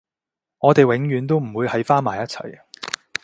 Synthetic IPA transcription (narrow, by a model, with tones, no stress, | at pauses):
ŋɔː˨˧t̪e˨jwɪ˨˥ŋjyː˨˥nt̪o˥wm̩˨˩wuː˨˧jhɐ˨˥jfaː˥nmaː˨˩jɐ˥t̚t͡sʰɐ̰˨˩j